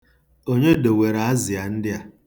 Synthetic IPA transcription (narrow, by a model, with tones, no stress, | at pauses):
o˦ɲe˦do˨we˨ɾa˨a˦zɪ˨a˨n̩˦dɪ˦a˨